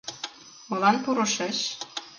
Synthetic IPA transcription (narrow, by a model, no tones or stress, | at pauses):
ulɑnpuɾɤ̆ʃeʃ